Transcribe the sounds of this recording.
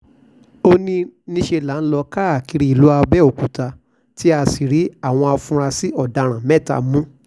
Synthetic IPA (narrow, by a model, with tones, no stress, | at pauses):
o˦nĩ˧nĩ˦ʃe˧la˨˦n̩˦lɔ˧ka˦˨ki˧ɾi˧i˨lu˨˦a˧bɛ˦o˨ku˨ta˧ | ti˦a˧si˨ɾi˨˦a˦˨w̃ɔ̃˧a˧fũ˧ɾa˧si˦ɔ˦˨da˧ɾ̃ã˨mɛ̃˦˨ta̰˧˨mũ˦